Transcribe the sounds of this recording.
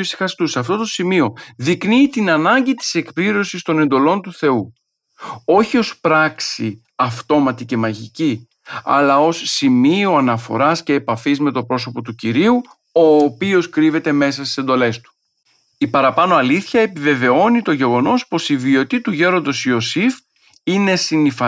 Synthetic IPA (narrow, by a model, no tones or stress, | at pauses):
uisi̥xɐst̪usɐft̪o̞t̪osimio̞ðikniːt̪inɐnɐɲɟit̪i̥se̞kpliɾo̞sist̪o̞ne̞nd̪o̞lo̞nt̪uθe̞u | o̞çio̞spɾɐksi | ɐft̪o̞mɐt̪ice̞mɐʝici | ɐ̰lɐo̞sːimio̞ɐnɐfo̞̰ɾɐsce̞ːpɐfizme̞t̪opɾo̞so̞po̞t̪uciɾiu | o̞ːpio̞skɾive̞t̪e̞me̞sɐst̪i̥se̞nd̪o̞le̞st̪u̥ | ipɐɾɐpɐno̞ɐliθçɐe̞pive̞ve̞o̞nit̪o̞ʝe̞ɣo̞no̞spo̞sivio̞t̪it̪uʝe̞ɾo̞nd̪o̞sio̞sif | ine̞sinifɐ